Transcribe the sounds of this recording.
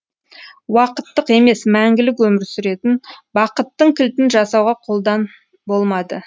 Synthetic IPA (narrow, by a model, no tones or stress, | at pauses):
wɑqət̪ːəqe̞me̞smæŋɡʲɪlɪkwɵmɪɾsʏɾe̞t̪ɪnbɑqət̪ːəɴkʲʰɪlt̪ɪnʒɑsɑwʁɑqʰo̞lˠd̪ɑn | bo̞lˠmɑd̪ə